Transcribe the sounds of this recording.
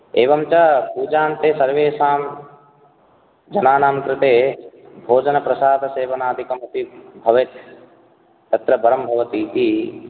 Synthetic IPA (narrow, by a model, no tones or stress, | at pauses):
eːʋɐmt͡ʃɐpuːd͡ʒaːnt̪eːsɐɾʋeːsaːm | d͡ʒɐnaːnaːmkɾɪt̪eː | bʱoːd͡ʒɐnɐpɾɐsaːd̪ɐseːʋɐnaːd̪ʱikɐmɐt̪ibʱɐʋet̪ː | ɐt̪ɾɐbɐɾɐmbʱɐʋɐt̪iːt̪i